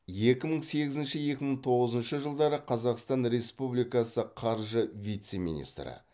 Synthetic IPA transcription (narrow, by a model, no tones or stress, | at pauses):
je̞kʲɪməɴse̞ɡʲɪzɪnʃɪje̞kʲɪməɴt̪ʰo̞ʁəzənʃəʒəlˠd̪ɑɾəqʰɑzɑqst̪ɑnɾe̞spublijkɑsəqʰɑɾʒəvijt̪se̞mʲḭnḭst̪ɾə̰